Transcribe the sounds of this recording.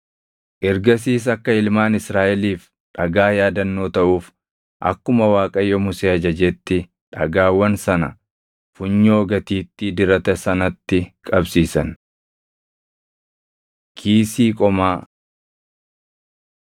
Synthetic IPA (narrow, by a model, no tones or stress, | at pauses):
ʔɛɾɡɐs̬iːs̬ɐkːɐɪlmaːnɪsɾaːʔɛliːf | ᶑɐɡaːjaːd̪ɐnːo̞ːt̪ɐʔuːf | ʔɐ̰kːʊmɐwaːkʼɐjɔmʊseːɐd͡ʒɐd͡ʒɛt̪ːɪ | ᶑɐɡaːwːɐnsɐnɐ̰ | fʊɲːoːɡɐt̪iːt̪ːɪd̪ɪɾɐt̪ɐsɐnɐt̪ːɪkʼɐbsiːsɐn | kʰiːsiːkʼɔmaː